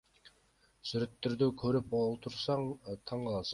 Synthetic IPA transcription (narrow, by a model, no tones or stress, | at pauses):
syɾɪt̪ʰːɪɾd̪ykʲʰɵɾɪpolˠt̪ʰuɾsɑŋt̪ʰɑɴʁɑlˠɑs